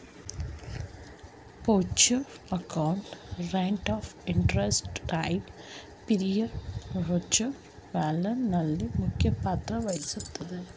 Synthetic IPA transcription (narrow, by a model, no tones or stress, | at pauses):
poːt͡ʃɐ | ɐkɐwɳʈɾeɳʈaːfiɳʈɾesʈʈajɖ | piɾijɐɾɦot͡ʃɐ | ʋaːlɐnɐlːimukʰːjɐpaːt̪ɾɐʋɐjisut̪ːɐd̪ɨ